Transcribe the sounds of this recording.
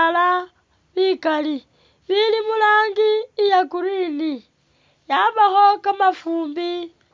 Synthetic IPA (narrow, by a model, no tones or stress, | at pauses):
la | βikali | βilimulaːŋɡiːjakuɾiːni | jaβaxo̞kamafuːmbi